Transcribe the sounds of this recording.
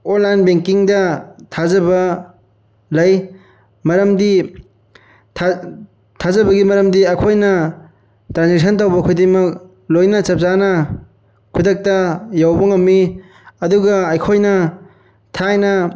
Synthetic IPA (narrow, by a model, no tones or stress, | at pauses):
onlajnbeŋkiŋdɐtʰazɐbɐ | lɐj | mɐɾɐmdi | tʰa | tʰazɐbɐɡimɐɾɐmdiɐjkʰojnɐ | tɾansik̚s̬ʰɐntawbɐkʰujdiŋmɐk̚ | lojnɐt͡ʃɐp̚zanɐ | kʰudɐk̚tɐjawbɐŋɐmːi | ɐduɡɐːjkʰojnɐ | tʰajnɐ